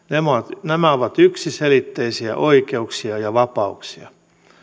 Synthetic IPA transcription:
nemoɑt̪næmæoʋɑt̪yksiselit̪ːeisiæ̰ʔoikeuksiɑjɑʋɑpɑuksiɑ̰

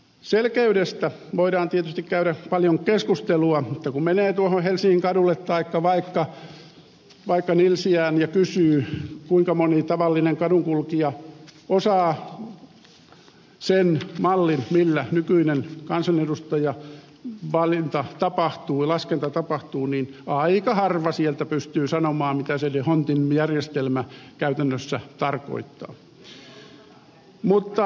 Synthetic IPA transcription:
selkeydest̪æ | ʋoiɾɑːnt̪iet̪yst̪ikkæyɾæpɑljoŋkeskust̪eluɑmut̪ːɑkummeneːt̪uohohelsiŋiŋkɑdulːˑet̪t̪ɑikːɑʋɑikːɑ | ʋɑikːɑnilsiæːnjɑkysyːkuiŋkɑmonit̪ɑʋɑlːineŋkɑduŋkulkiɑosɑː | senmɑlːinmilːænykyinenkɑnsɑnedust̪ɑjɑ | ʋɑlint̪ɑt̪ɑpɑht̪uːɑlɑskent̪ɑt̪ɑpɑht̪uːninɑikɑhɑrʋɑsielt̪æpyst̪yːsɑnomɑːmit̪æselehont̪injærjest̪elmækæyt̪ænːøsːæt̪ɑrko̰it̪ːɑ̰ː | mut̪ːɑ

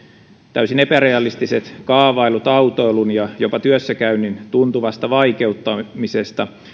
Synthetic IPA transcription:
t̪æysinepæɾeɑlist̪ise̞t̪kɑːʋɑilut̪ɑut̪oelunjɑjo̞pɑt̪yøsːækæynːint̪unt̪uʋɑst̪ɑʋɑike̞ut̪ːɑmisest̪ɑ

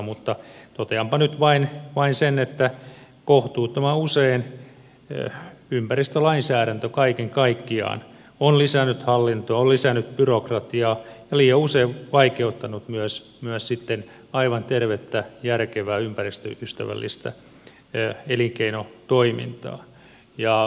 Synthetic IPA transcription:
mut̪ːɑt̪ot̪eɑmpɑnyt̪ʋɑinʋɑinsenet̪ːæ | koht̪uːt̪omæuseːn̰ː | ympærist̪ølɑinsæːɾænt̪økɑikeŋkɑikːiɑ̰ːn | onlisænːyt̪hɑlːint̪oɑolisænːyt̪pyrokrɑt̪iɑːjɑliːjɑuseːʋɑikeut̪ːɑnut̪myøs | myøssit̪ːen | ɑiʋɑnt̪erʋet̪ːæjærkeʋæːympærist̪ø̰yst̪æ̰ʋæ̰lːḭst̪æ̰ | eliŋkeinot̪oimḭnt̪ɑ̰ː | jɑ

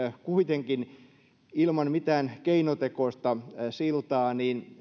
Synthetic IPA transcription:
kuit̪eŋkin | ilmɑnmit̪æːnkeinot̪ekost̪ɑsilt̪ɑːniːn

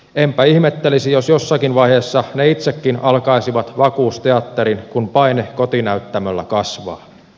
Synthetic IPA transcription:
empæihmet̪ːelisijosjo̞sːɑkinʋɑjheːsːɑneit̪sekːinɑlkɑisiʋɑt̪ʋɑkuːst̪eɑt̪ːeɾinkunpɑinekot̪inæyt̪ːæmølːæ̰kɑsʋɑ̰ː

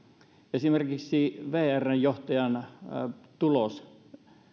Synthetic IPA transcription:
esimerkiksiʋeːærːæjjoht̪ɑjɑn | t̪ulos

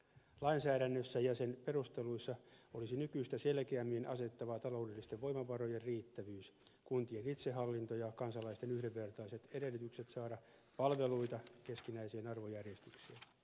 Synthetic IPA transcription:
lɑinsæːɾænːøsːæjɑsenpe̞rust̪e̞luisːɑolisinykyist̪æselkeæmːinʔɑse̞t̪ːɑʋɑt̪ɑlo̞udelːist̪eʋʋoimɑʋɑro̞jerriːt̪ːæʋyːskunt̪ienit̪seɦɑlːint̪ojɑkɑnsɑlɑist̪enyhdeʋːe̞rt̪ɑise̞t̪ede̞lːyt̪ykset̪sɑːɾɑ | pɑlʋe̞luit̪ɑke̞skinæisienɑrʋojærjest̪yksiæ

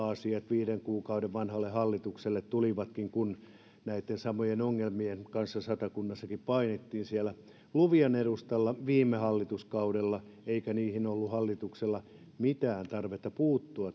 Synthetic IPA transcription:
ɑsiɑt̪ʋiːɾeŋkuːkɑudeʋʋɑnhɑlːehɑlːit̪ukselːet̪t̪uliʋɑt̪kiŋkun | næit̪ːensɑmojenoŋːelmienkɑnsːɑsɑt̪ɑkunːɑsːɑkippɑinet̪ːiːnsiælæ | luʋiɑneɾust̪ɑlːɑʋiːmːehɑlːit̪uskɑudelːɑeikæniːhinolːuhɑlːit̪ukselːɑ | mit̪æːnt̪ɑrʋet̪ːɑpuːt̪ːuɑt

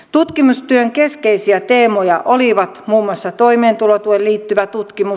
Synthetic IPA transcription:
t̪ut̪kimust̪yøŋkeskeisiæt̪eːmojɑʔoliʋɑt̪muːmːuɑsːɑt̪oimeːnt̪ulot̪uoelliːt̪ːyʋæt̪ut̪kimu

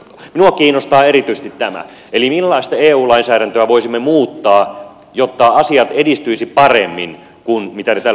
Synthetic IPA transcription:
minuɑkiːnːost̪ɑːeɾit̪yisĕ̥st̪it̪tæmæ̰ | elimilːɑist̪ɑeːuːlɑinsæːɾænt̪øæʋoisimːemuːt̪ːɑː | jot̪ːɑɑsiɑt̪edist̪yisippɑrḛmːḭn | kunmit̪ænet̪æl

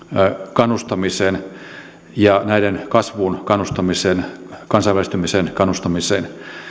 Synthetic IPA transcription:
kɑnːust̪ɑmiseːn | jɑnæidenkɑsʋuːnkɑnːust̪ɑmisenkɑnsɑiʋælist̪ymisenkɑnːust̪ɑmiseːn

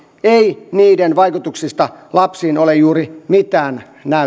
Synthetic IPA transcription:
einiːdenʋɑikut̪uksist̪ɑlɑpsiːnolejjuːrimit̪ˑæːn | næ

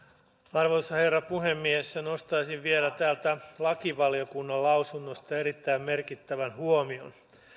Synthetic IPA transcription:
ɑrʋosːɑhe̞rːɑpuhemːiesːeno̞st̪ɑjsiʋʋielæt̪æːlt̪ælɑkiʋɑlio̞kunːɑlɑwsunːost̪ɑeɾit̪ːæimme̞rkit̪ːæʋænhuomio̞̰n

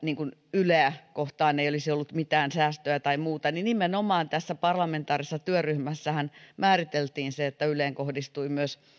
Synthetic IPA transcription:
niːŋkunyleːkoht̪ɑːneiolisiolːut̪mit̪æːnsæːst̪øjæt̪ɑimuːt̪ɑninimenomɑːnt̪æsːæpɑrlɑment̪ɑːrisesɑt̪yøryhmæsːæhænmæːrit̪elt̪iːnseet̪ːæyleːŋkohdist̪uimyøs

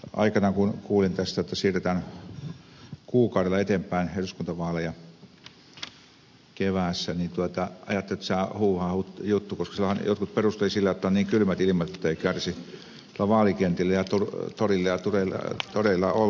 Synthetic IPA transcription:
ʔɑ̰ikɑnɑkunkuːlint̪æst̪æet̪ːæsiːret̪æn | kuːkɑˑuɾelːˑɑet̪empæˑinheˑlyskunt̪ɑʋɑːlejɑ | keʋæːˑsːænint̪uɑt̪ɑɑ̰jɑt̪ːelet̪st̪æˑhuːhɑːhut̪jut̪ːukoskɑsilhɑnjot̪kut̪̚perust̪elisilːæjot̪ːɑonniːŋkylmæt̪ilimɑt̪et̪ːeikærsi | silːæʋɑːlikent̪ilːæjɑt̪urt̪orilːɑjɑt̪urelɑ̰t̪oreilːɑ̰ol

